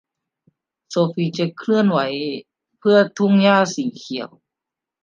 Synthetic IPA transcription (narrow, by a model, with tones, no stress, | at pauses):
soː˧fiː˧˩t͡ɕa˧˩kʰlɯ˥˩˨ənwa˨˦j | pʰɯ˥˩ɐt̪ʰu˧˥˩ŋjaː˧˥˩siː˨˦kʰi˨˦əw